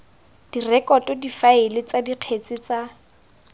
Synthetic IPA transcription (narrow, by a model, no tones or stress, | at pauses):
d̥irɛkɔtɔdifaɪlɪt͡sadiq͡χʰet͡sʼɪt͡sa